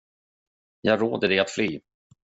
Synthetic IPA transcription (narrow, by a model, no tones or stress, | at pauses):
jɑːɡɾoːd̪əɖɛat̪flyː